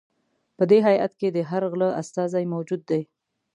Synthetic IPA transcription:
pəd̪eɦaja̰t̪ked̪əɦaɾɣləa̰st̪ɑzajmawd͡ʒud̪ːaj

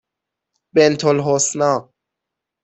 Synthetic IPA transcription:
bent̪ʰolɦosnɑː

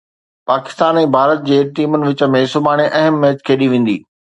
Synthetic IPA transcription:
paːkɪ̥st̪aːnɛ̃ːbʱaːɾət̪̚d͡ʑeːʈiːmʊnɪ̆ʋɪt͡ɕə̆mẽsʊbaːɽ̃eʔɐɦəmːɛːt͡ɕkʰeːɗiʋẽːn̆d̪ḭː

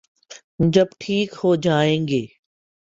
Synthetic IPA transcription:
d͡ʒɐbʈʰiːkhod͡ʒaːẽːŋɡeː

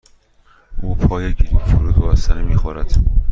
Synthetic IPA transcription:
uːpʰɒːjeciifoɾuːd̪ɒbæsænemiːxoɾæd̪̥

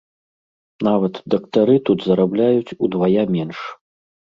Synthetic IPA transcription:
navɐt̪d̪ɐkt̪aɾɨt̪ut̪zɐɾablʲajut͡sʲud̪vajamʲɛnʂ

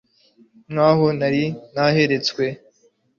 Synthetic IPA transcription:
ŋaːɦonaɾinaɦeɾet͡skwe

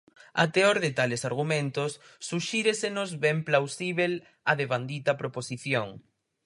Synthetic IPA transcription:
a̰t̪eoɾðɪt̪alesaɾɣ̞umẽnt̪osː | uʃiɾesenʊzβɛmplawsiβel | ɐðeβand̪it̪ɐpɾoposiθjoŋ

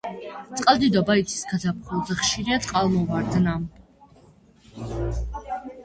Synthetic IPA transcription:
t̪sʼqʼalˠd̪id̪ɔbait̪sʰi̥skʰat̪ʰap̚ʰχulˠzɛχʃiɾiat̪sʼqʼalˠmɔvaɾd̪nam

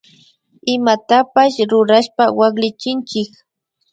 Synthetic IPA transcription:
ɪmat̪apaʃɾʊɾaʃpawaχlɪt͡ʃɪnt͡ʃɪk

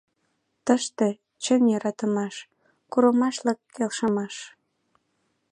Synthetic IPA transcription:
t̪əʃt̪e | t͡ɕənjəɾɑt̪əmɑʃ | kuɾəmɑʃləkʰːelʃəmɑʃ

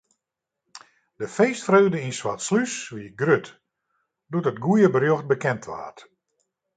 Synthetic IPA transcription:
d̥əfeːstfrøːdəinsʋatslysʋiɡrøt | dutətɡujəbərjoxt̚bəkɛntʰʋa̰ːt

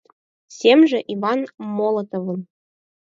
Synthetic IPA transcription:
sʲemʒɘ̆ʔivɑnmolˠɤt̪ovɤ̆n

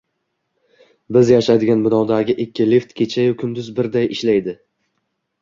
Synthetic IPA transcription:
bɪzjaʃajd̪ɪɡʲanbɪnɒwd̪aɡʲɪʔɪkʲːɪleft̪kʲʰet͡ʃʰajʊkʲʰʊnd̪ʊzbɪɾd̪ajʔɪʃlajd̪ɪ

